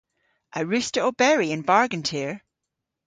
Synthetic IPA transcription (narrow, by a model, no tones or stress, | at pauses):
ʔəɹʉstəobɛɹiɪ̃nbaɹɡə̃ntʰiɹ